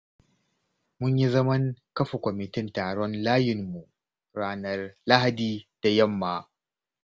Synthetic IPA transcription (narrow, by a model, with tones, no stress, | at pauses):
mʊ˦ɲji˦zɐ˦mɐ˦ŋkɐ˦ɸa˨kʷɔ˨mɪ˨tɪ˦ntaː˨ɽɔ˦nlaː˦jɪ˨mːu˨ | ɽaː˦nɐ˨rla˦ha˨diː˦d̥a˨jɐ˦˨mːaː˨